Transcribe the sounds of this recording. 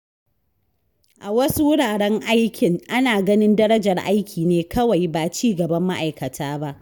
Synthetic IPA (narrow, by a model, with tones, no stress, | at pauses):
ʔa˨wɐ˦su˦wʊ˦ɽaː˨ɽɛ˦ŋʔa˦jkʲɪ˨ŋʔa˦naː˨ɡɐ˦nɪ˦ndɐ˦ɾɐ˦d͡ʒɐ˨rʔa˦jkʲʰiː˨neː˦kɐ˦wa˨jbaː˨t͡ʃiː˦ɡɐ˨bɐ˦mːa˦ʔa˨jkɐ˨tʰaː˦ba˦ʔ